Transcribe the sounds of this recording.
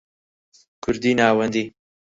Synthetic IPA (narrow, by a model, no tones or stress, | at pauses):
kʰʊɾd̪iːnaːwɐnd̪iː